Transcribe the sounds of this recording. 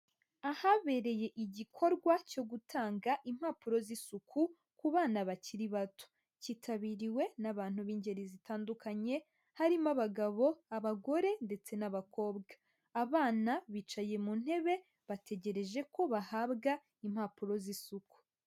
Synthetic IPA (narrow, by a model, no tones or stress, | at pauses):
ahaβe̞ɾeje̞ʔiɟikʰo̞ɾɡwaco̞ɡutʰaːŋɡaʔim̥haːpuɾo̞zisukʰu | kuβaːnaβaciɾiβatu̥ | ciːtʰaβiɾiwe̞naβaːn̥huβiːɲɟe̞ɾizitaːndukaɲe̞ | haɾimaβaɡaβo̞aβaɡo̞ɾe̞nde̞t͡se̞naβako̞ːbɡaː | βaːnaβit͡ʃaje̞mun̥he̞βe̞ | βate̞ɟe̞ɾe̞ʒe̞ko̞βahaːbɡa | im̥haːpuɾo̞zisuku̥